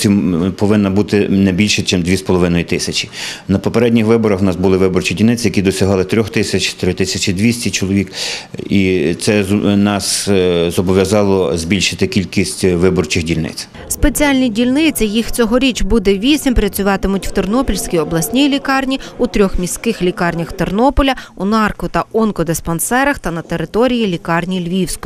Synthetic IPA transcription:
sʲimpɔʋɪnːɐbut̪ɪnɛbʲilʲʃɛt͡ʃɛmd̪ʋʲispɔlˠɔʋɪnɔjit̪ɪsʲɐt͡ʃi̥nɐpɔpeɾɛdʲnʲixʋɪbɔɾɐxwnɑsbʊlˠɪʋɪbɔrt͡ʃidʲilʲnɪt͡s̪ʲɪjɐkid̪ɔsʲɐɦɑlˠɪt̪ɾʲɔxt̪ɪsʲɐt͡ʃʲt̪ɾɪt̪ɪsʲɐt͡ʃʲid̪ʋʲisʲtʲit͡ʃɔlˠɔʋʲikit̪sɛnɑszɔbɔʋʲjɐzɑlˠɔzbʲilʲʃɪt̪ɪkʲilʲkʲisʲtʲʋɪbɔrt͡ʃɪxdʲilʲnɪ̰t͡s̪ʲ | spe̞t͡sʲiɑlʲnʲidʲilʲnɪt͡sʲɐjixt͡sʲɔɦɔɾʲit͡ʃbud̪ɛʋʲisʲimpɾɐt͡sʲʊʋɑt̪ɪmʊtʲwt̪ernɔpʲilʲsʲkʲijɔblˠɐsʲnʲijlʲikɑrnʲiut̪ɾʲɔxmʲisʲkɪxlʲikɑrnʲɐxt̪ernɔpɔlʲɐunɑrkɔt̪ɐɔnkɔd̪espɐnsɛɾɐxt̪ɐnɐt̪eɾɪt̪ɔɾʲijilʲikɑrnʲilʲʋʲiwsʲkʊ

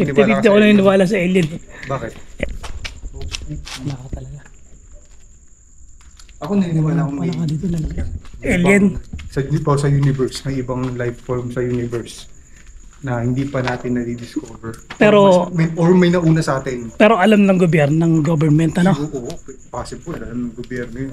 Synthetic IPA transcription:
ɪɪɾid̪ɪkonɐnɪnɪwaːlɐs̬ɐʔɛljɐnbaːkɪt̪̚ | onɐkɐt̪ɐlɐɡa | ʔɐkonɐɪnɪwaːlakoɐlɐmɐd̪iːt̪onɐlɐɡaʔɛljɛnsɐjpɐsɐjuːnɪvɛɹsmɐjʔɪbɐŋlajvfoɹmsɐjuːnɪvɛɹs | nɐhɪnd̪iːpɐnaːt̪ɪnːɐdid̪ɪskoːbɛɹpɛːɾomɐʔoɹmɐjnɐʔuːnɐsaːt̪ɪnpɛːɾo̞ʔɐlamnɐŋɡobjɛɾnonɐŋɡobɛɹmɛnt̪ɐnooʔoppaːsɪbʊlɐlamnɐŋɡobjɛɾnojn

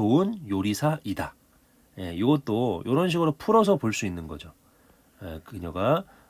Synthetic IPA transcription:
oɯnjoɾisʰaʔida | je̞iɡʌt̚t͈ojʔoɾʌnɕ̬ʰiɡɯɾopʰuɾʌs̬ʰʌpoɭs͈uinːɯnɡʌ̰d͡ʑo | jḛkɯɲʌɡa

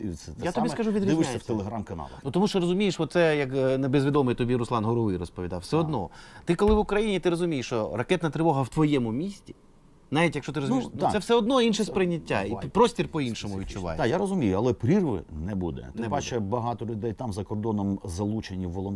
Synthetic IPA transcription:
ɛjaɔbʲiskɐʒuʋʲid̪ɾʲd̪ɪɪsjʲɐfʲt̪elˠeɦɾamkɐnɑ̰lˠɐn̰nut̪ɔmuʃt͡ʃɔɾɔzʊmʲijeʃʋɔt̪sɛjɐknebezʋʲid̪ɔmejt̪ɔbʲiɾʊslˠɑnɦɔɾɔʋɪjrɔspɔʋʲid̪ɑwfsɛɔd̪nɔ̰t̪ɪkɔlˠɪʋʊkɾɐjinʲit̪ɪɾɔzʊmʲijeʃt͡ʃɔrɐkɛt̪nɐt̪ɾɪʋɔɦɐwt̪ʋɔjɛmʊmʲisʲtʲi̥ | nɑʋʲitʲjɐkʃt͡ʃɔt̪ɪɾɔzʊniʃsɛwsɛɔd̪nɔinʃɛspɾɪnʲːɐtʲːa̰ipɾɔsʲtʲirpɔinʃɔmʊʋʲid̪̚ʲt͡ʃʊʋɑ̰j̰d̪jaɾɔzʊmʲijʊɐlˠɛpɾʲirʋɪ̰nɛbud̪ɛ̰t̪ɪɛbat͡ʃɛbɐɦɑt̪ɔlʲʊd̪ɛjt̪ɑmzɐkɔrd̪ɔnɔmzɐlˠut͡ʃenʲːiwːɔlˠɔn

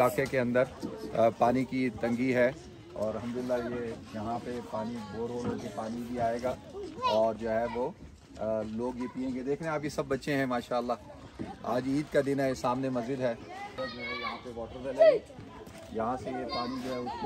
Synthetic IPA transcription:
laːkekeɐ̃nd̪əɾpaːnikit̪ɐ̃ŋɡiɦɛ | ɔ̰ːɾɐlɦə̃md̪ʊlɪlːajejɐɦãpepaːniboːɾoːlõkepaːnibʱiaːeːɡaː | ɔːɾd͡ʒoːɦɛʋoː | loːɡjepiːẽːŋɡed̪eːkʰɾeɦẽaːpjesɐbːɐtːʃẽɦɛ̃maːʃaːəlːaː | a̰ːd͡ʒiːd̪kad̪ɪnɛsaːmnemɐzd͡ʒɪd̪ɦɛːd͡ʒoːɦɛjɐɦãpeʋɔːʈəɾd͡ʒɐle | jɐɦãsejepaːnid͡ʒoːɦɛʊs

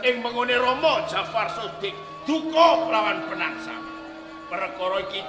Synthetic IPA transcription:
ʔɪŋməŋoneɾɔmɔd̥ʒ̥a̤farsod̪̥ɪk̚ | d̪̥ukɔlawanpənaksa̰ | pəɾəkɔɾɔiki

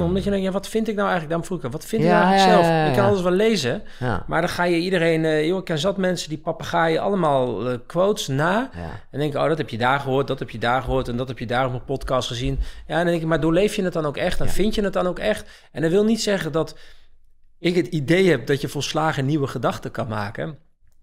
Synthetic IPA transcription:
omdɔtjədɛŋkjaːʋɔtfɪntɪk̚nawɛjŋləkdaːmfruɪkəʋɔtfɪntɪknɛxləksnɛlˠfjəɪkːɛnɔlˠəsʋɛlˠejzə | madɔnxaːjəidərejnjoɪkːɛnzɔtmɛnsədipɑpaχaːjəʔɑ̰lˠəmaːlˠkʋowtsnaːɛndɛŋkɪjəo̰ːdɔthɛpjədaːɹχəɦoːt̚dɔthɛpjədaːɹχəɦoːtɛndɔthɛpjədaːroməpɔtkɑstχəzinjaɛndɔndɛŋkɪk̚madʊːlejfjənət̚dɔnowkɛχtdɔnfɪntjənət̚dɔnowkɛxt | ɛndɔnʋɪlˠnitsɛχədɔt | ɪkɦətidejhɛp̚dɔtjəfɔːlˠslaːɣəniʋəχədɑxtəkɑnmaːkə

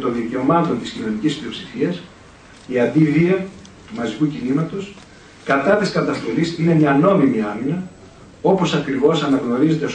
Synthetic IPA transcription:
t̪o̞nðice̞o̞mɐt̪o̞nt̪iscino̞nicisplio̞psifiɐs | iɐnd̪iðiɐ | t̪umɐzikucinimɐt̪os | kɐt̪ɐt̪iskɐt̪ɐst̪o̞lisine̞mɲɐno̞mimiɐminɐ | o̞po̞sɐkɾivo̞sɐnɐɣno̞ɾize̞t̪e̞s

